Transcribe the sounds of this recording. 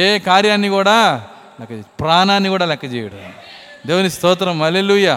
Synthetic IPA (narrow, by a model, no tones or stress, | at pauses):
eːkaːɾjaːnːikuːɽaː | lɛkːɐpɾaːnaːnːikuːɽaːlɛkːɐt͡ʃɛ̰ːjɐɽɐni | d̪eːʋɐnist̪ɔːt̪ɾɐmɐleluja